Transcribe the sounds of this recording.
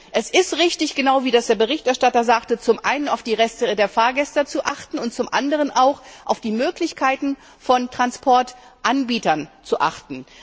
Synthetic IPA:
ʔɛsɪstʁɪçtɪçɡ̥ənaʊviːdasd̥eːɐbəʁ̞ɪçtɛɐʃtatɐzaːktət͡sʊmʔaɪnənaʊfd̥iːʁɛstədeːɐfaːɐɡɛstɐt͡suʔaχtn̩ʊnt̚t͡sʊmʔa̰ndəʁ̞ənʔaʊxʔaʊfd̥iːmøːklɪçkʰaɪtn̩ | fɔntʁ̥anspʰɔɐtʔanbiːtɐnt͡suʔaχtn̩

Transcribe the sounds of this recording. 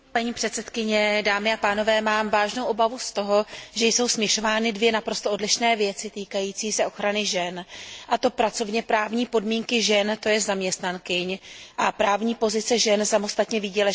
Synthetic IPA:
paɲiːpr̥ɛt̪sɛt̪kɪɲɛdaːmɪapaːno̞vɛːmaːmvaːʒno̞wʔo̞bavust̪o̞ɦo̞ʒɛjso̞wsmɲɛʃo̞vaːnɪdvjɛnapɾo̞st̪oʔodlɪʃnɛːvjɛt͡sɪt̪iːkajiːt͡siːsɛʔo̞xɾanɪʒɛnʔat̪o̞pɾat͡so̞vɲɛpɾaːvɲiːpo̞dmiːŋkɪʒɛnt̪o̞jɛzamɲɛst̪nankɪɲʔapɾaːvɲiːpo̞zɪt͡sɛʒɛnsamo̞st̪at̪ɲɛvɪɟɛlɛ

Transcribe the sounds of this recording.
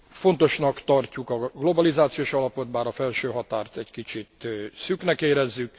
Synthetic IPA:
fo̞nt̪o̞ʃnɒkt̪ɒrcukɒɡlo̞bɒlizaːt̪sijoːʃɒlɒpo̞t̪̚baːɾɒfɛlʃøːɦɒt̪aːrt̪ɛckit͡ʃit̪syknɛkeːɾɛzːyk

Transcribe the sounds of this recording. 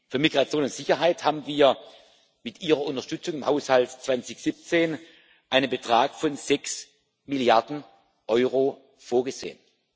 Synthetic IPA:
fyːɐmiɡʁat͡sjoːnʊntz̥ɪçɐɦaɪthaːbm̩viːɐ | mɪtʔiːʁ̞ɐʊntɐʃtʏt͡sʊŋɪmhaʊshaltt͡sv̥ant͡sɪçz̥ip̚t͡seːn | ʔaɪnənbətʁ̥aːkfɔnzɛks | mɪljaɐdn̩ | ʔɔʏʁo | foːɐɡəzḛːən

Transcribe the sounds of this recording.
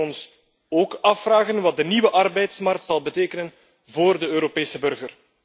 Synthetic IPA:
ɔns | oːkɑfraːɣənʋɑt̚dəniwəʔɑrbɛjtsmɑrk̚tsɑlˠbəteːkənən | voːrdəøːɾopeːsəbɵrɣər

